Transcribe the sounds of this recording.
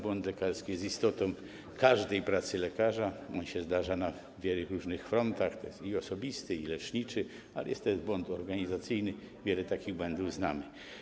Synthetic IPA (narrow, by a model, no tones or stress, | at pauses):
bwɔnt̪lɛkaɾskʲijɛst̪ist̪ɔt̪ɔ̃w̃ | kaʐd̪ɛjpɾat̪sɘlɛkaʐaɔnɕɛzd̪aʐana | vʲjɛluɾuʐnɘxfɾɔnt̪axt̪ɔjɛst̪iɔsɔbʲist̪ɘilɛt͡ʂɲit͡ʂɘ | alɛ̰jɛst̪ɔjɛsbwɔnt̪ɔɾɡaɲizat̪sɘjnɘ | vʲjɛlɛt̪akʲiɣbwɛnd̪uvznamɘ